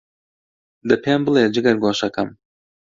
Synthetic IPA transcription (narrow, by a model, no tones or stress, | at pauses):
d̪ɐpʰeːmbɨleːd͡ʒɨɡɐɾɡʷoːʃɐkɐm